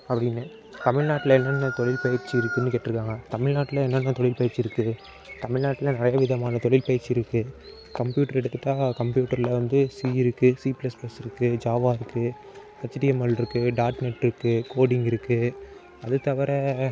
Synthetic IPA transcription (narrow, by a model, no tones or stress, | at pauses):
ɐpːɐɽɪnːɯ | t̪ɐmɪɭnaːʈːɪlɐɛnːɐnːɐt̪ɔɭɪlpɐjɐɾt͡ʃːiɪɾɯkːɯnːɯkeːʈːrɾɯkːaːŋɡɐt̪ɐmɪɻnaːʈːɪlɐɛnːɐnːɐt̪ɔɭɪlpɐjɐɾt͡ʃːɪɾɯkːɯ | t̪ɐmɪɭnaːʈːɪlɐnɪɾɐjɐʋɪðɐmaːnɐt̪ɔɭɪlpɐjɾt͡ʃːɪɪɾɯkːɯ | kɐmpjuːʈːɐɾɛɽɯt̪ːɯt̪ːãːkɐmpjuːʈːɐɾɪlɐʋɐnd̪ɯsiːɪɾɯkːɯsiːpɪlɐsplɐsɪɾɯkːɯd͡ʒaːʋaːɪɾɯkːɯ | ɐt͡ʃːɪʈɪjɐmɐɭɪɾɯkːɯɖaːɾʈnɛʈːɪɾɯkːɯkoːɽɪŋɡɪɾɯkːɯ | ɐðɯt̪ːɐʋɐɾɛ